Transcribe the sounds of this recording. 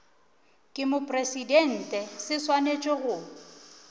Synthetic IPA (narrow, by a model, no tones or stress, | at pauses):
kʼɪmʊpʼresidɛn̩ːtʼɛsɪswanet͡ʃʼɔɣʊ